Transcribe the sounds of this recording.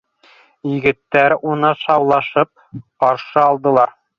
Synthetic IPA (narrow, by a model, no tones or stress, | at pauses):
jɘ̆ɡɘ̆t̪ːæɾunɤʃɑwlˠɑʃɤp̚qɑɾʃɤɑlˠd̪ɤ̆lˠɑɾ